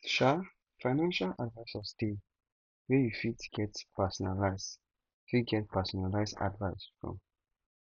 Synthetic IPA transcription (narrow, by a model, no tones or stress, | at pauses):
ʃa | faɪnãnʃalʔadvaɪsasde | wɛjufidɡɛtpɛsɔnalaɪs | fid̚ɡɛt̚pɛsɔnalaɪsa̰dvaɪsfɹɔ̰̃m